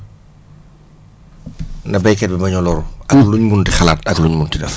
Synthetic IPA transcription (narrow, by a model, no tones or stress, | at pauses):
ndɐbɐjkɛt̚bimɐɲɔlɔɾuʔɐkluɲmuntixala̰ːtɐkluɲmuntidɐf